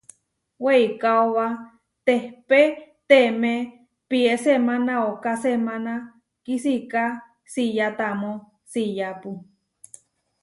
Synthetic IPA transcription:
weikaowa | t̪ehpet̪emẽ | piesemãnãokasemãna | kisika | sijat̪amõ | sijapu

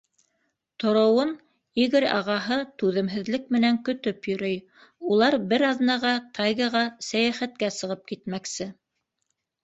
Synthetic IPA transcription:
t̪ŏɾŏwɤn | iɣɘɾɑ̰ʁɑɦɤt̪ʉðɘ̆mɦɘ̆ðlɘkmɘ̆næŋkɵ̆t̪ɵpjɵ̆ɾɵj | ulˠɑɾbɘɾɑðnɑʁɑt̪ɑjɣɑʁɑsæjæχæt̪̚kæsɤ̆ʁɤp̚kit̪mæksɘ

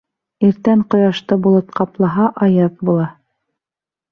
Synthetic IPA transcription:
iɾt̪æɴqŏjɑʃt̪ɤbulˠot̪̚qɑplˠɑɦɑʔɑjɤð̚bulˠɑ

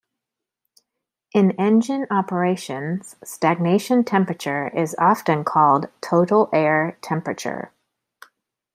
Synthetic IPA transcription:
ʔɨ̃nɛ̃nd͡ʒɨ̃nɑpə˞eɪʃɨ̃nz̥stæɡ̚neɪʃɨ̃ntʰɛ̃mpɹɨt͡ʃə˞ɪzɑfɨ̃nkʰɔlˠdtʰoʊɾl̩ˠɛɹtʰɛ̃mpɹɨt͡ʃə̰˞

